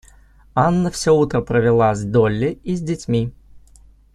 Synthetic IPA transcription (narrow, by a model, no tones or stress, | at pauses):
anːəfsʲout̪ɾəpɾəvʲɪlˠazʲd̪olʲːɪizʲdʲɪtʲmʲi